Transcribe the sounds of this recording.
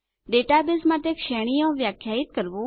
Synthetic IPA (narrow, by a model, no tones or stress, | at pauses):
ɖeːʈaːbɪsmãːt̪ekʃɛːɽ̃ijõːʋjaːkʰːjaːit̪̚kəɾʋoː